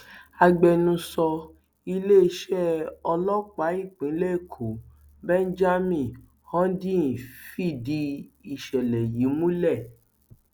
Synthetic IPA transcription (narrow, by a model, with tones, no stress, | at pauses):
a˧ɡ͡bɛ˧nũ˧˦sɔ˧ | i˧le˦˧ʃɛ˦ɔ˧lɔ˦k͡pa˨˦i˦˨k͡pĩ˨˦lɛ˦˨kʰo˨˦ | bɛ˦n˦d͡ʒa˦mĩ˦˨ | hɔ̃˦dĩ˦˨fi˦˨di˧i˨ʃɛ˨lɛ˨ji˨˦mũ˦lɛ˦˨